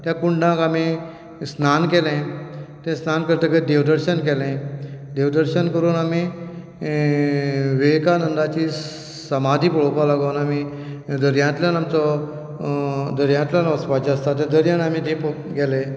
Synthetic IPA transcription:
t̪jãkuɳɖãkami | snankɛlẽt̪ẽsnankəɾt̪əkəd̪eʋd̪əɾɕənkɛlɛ̃d̪eʋd̪əɾɕənkəɾuːnami | ʋekanənd̪at͡ɕi | səmad̪ʱiːpəɭopalaɡonami | d̪əɾjãt̪ljanamt͡sɔ | d̪əɾjãt̪ljanəspat͡ɕast̪at̪ẽd̪əɾjanamit̪ẽpɡɛlẽ

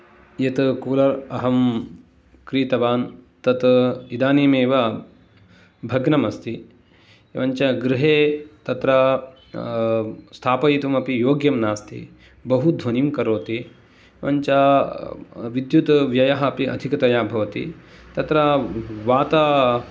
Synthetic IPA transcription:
jɐt̪kuːlɐɾɐɦɐm | kɾiːt̪ɐʋaːnt̪ɐt̪id̪aːniːmeːʋɐ | bʱɐɡnɐmɐst̪i | ʋɐɲt͡ʃɐɡɾɪɦeːt̪ɐt̪ɾɐ | st̪ʰaːpɐjit̪umɐpijoːɡjɐmnaːst̪ʰḭ | bɐɦud̪ʱʋɐnimkɐɾoːt̪i | ʋɐɲt͡ʃɐ | ʋid̪jut̪ʋjɐjɐɦɐɐpiɐ̰d̪ʱikɐt̪ɐjaːbʱɐʋɐt̪ḭt̪ɐt̪ɾɐʋaːt̪ɐ

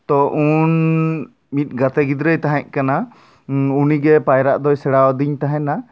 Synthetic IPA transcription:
t̪ɔʔun | mit̪̚ˀɡat̪ɛɡid̪ɾəjt̪aɦɛ̃ʔ̚kana | uniɡɛpajɾaʔd̪ɔjsɛɽawɔd̪iɲt̪aɦɛ̃na

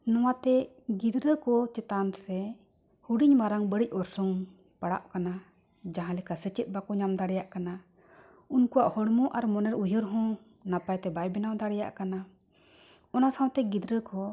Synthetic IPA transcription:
nɔwat̪ɛ | ɡid̪ɾəkɔt͡ʃɛt̪ansɛ | huɽiɲmaɾaŋbəɽic̚ˀɔɾsɔŋ | paɽa̰ʔkana | d͡ʒaɦãlɛkasət͡ʃɛt̪̚ˀbakɔɲamd̪aɽɛjaʔkana | unkuwaʔhɔɽmɔʔaɾmɔnɛɾujɔɾɦɔ̃ | napajt̪ɛbajbɛnawd̪aɽɛja̰ʔkana | ɔnasãw̃t̪ɛɡid̪ɾəkɔ

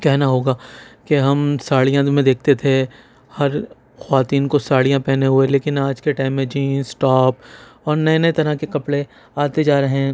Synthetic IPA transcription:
kɛɦnaɦoːɡaːkeɦɐmsaːɭijãmẽd̪eːk̚ʰt̪et̪ʰe | hɐɾ | xʋaːt̪iːnkosaːɽijãpɛɦneɦueleːkɪnaːd͡ʒkeʈaːɪmːẽd͡ʒiːsʈɔːpɔːɾnɐenɐet̪ɐɾakekɐpɽe | aːt̪ed͡ʒaːɾɐɦɛ̃

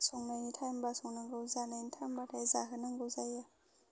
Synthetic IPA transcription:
sɔŋnajnitʰajmbasɔŋnɯŋɡɯwzanajnitʰajmbatʰazaɦɯnɯŋɡɯwzaja

